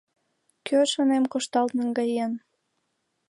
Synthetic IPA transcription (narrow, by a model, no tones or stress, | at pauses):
kʰøʃonemkoʃt̪ɑlt̪nəŋɡɑjen